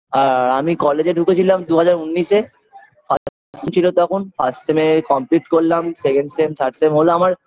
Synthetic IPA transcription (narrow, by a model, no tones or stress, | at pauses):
aɾamikɔled͡ʑeɖʱuket͡ɕʰilamd̪uɦad͡ʑaɾunːiʃe | fʰatafassemt͡ɕʰilot̪ɔkʰonfasʈsemekɔmpliʈkoɾlamsekeɳɖsemt̪ʰaɾɖsemɦoloamaɾ